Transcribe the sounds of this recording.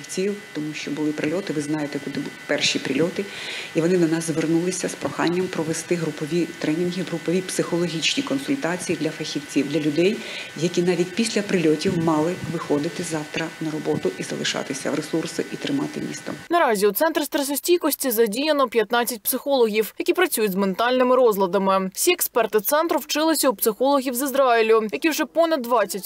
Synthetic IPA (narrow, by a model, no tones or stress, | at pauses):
wt͡sʲiwt̪ɔmuʃt͡ʃɔbʊlˠɪpɾɪlʲɔt̪ɪʋɪznɑjet̪ɛkʊd̪ɪbpɛrʃipɾʲɪ̰lʲɔt̪ɪiʋɔnɪd̪ɔnɑzzʋernulˠɪsʲɐspɾɔxɑ̰nʲːɐmpɾɔʋest̪ɪɦɾʊpɔʋʲit̪ɾɛnʲinɦiɦɾʊpɔʋʲipsɪxɔlˠɔɦʲit͡ʃnʲikɔnsʊlʲt̪ɑt͡sʲijid̪lʲɐfɐxʲiwt͡sʲiwd̪lʲɐlʲʊd̪ɛjjɐkʲinɑʋʲitʲpʲisʲlʲɐpɾɪlʲɔtʲiwmɑlˠɪʋɪxɔd̪ɪt̪ɪzɑwt̪ɾɐnɐɾɔbɔt̪ʊʔizɐ̰lˠɪʃɑ̰t̪ɪsʲɐ̰wɾesursɪʔit̪ɾɪmɑ̰t̪ɪmʲḭst̪ɐ̰mnɐɾɑzʲiut̪sɛnt̪ɾɪst̪ɾɛsɔsʲtʲijkɔsʲtʲizɐdʲijɐnɔpʲjɐt̪nɑt͡sʲɐt̚ʲpsɪxɔlˠɔɣʲiwjɐkʲipɾɐt͡sʲujʊdʲzment̪ɑlʲnɪmɪɾɔzlˠɐd̪ɐmɪw̥sʲiɛkspɛrt̪ɪt̪sɛnt̪ɾʊwt͡ʃɪlˠɪsʲɐupsɪxɔlˠɔɦʲiwzizɾɑilʲʊjɐkʲiwʐɛpɔnɐd̪ːʋɑt͡sʲːɐtʲ